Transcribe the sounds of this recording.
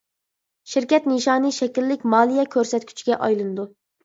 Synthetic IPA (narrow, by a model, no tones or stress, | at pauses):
ʃiɾkʲɛt̪nɨʃɑːnɨʃɛkʲilːɪkʲmɑːlˠijɛkʲʰøɾsɛt̪̚kʲʰy̥t͡ʃʰɡʲɛʔɑjlˠɨnɨd̪u